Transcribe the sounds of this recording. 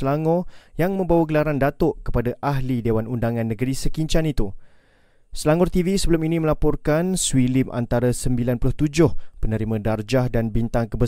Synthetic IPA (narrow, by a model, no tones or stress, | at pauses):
laŋɔjaŋmə̃mbawaɡəlaɾandat̪ʊʔkə̥padaʔaɦlidewanundaŋãnːə̃ɡəɾisəkiɲt͡ʃanit̪u | səlaŋɔrt̪ivisəbəlʊminĩmə̃lapɔrkanswilimʔa̰nt̪aɾasəmbilanpulʊht̪ud͡ʒʊhpənə̃ɾimãdard͡ʒahdanbint̪aŋkəbə